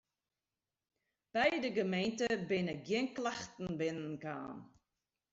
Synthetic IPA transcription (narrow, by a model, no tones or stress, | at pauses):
b̥ɛjdəɡəmejntəbɪnəɡiənklaχtn̩bɪnənka̰ːn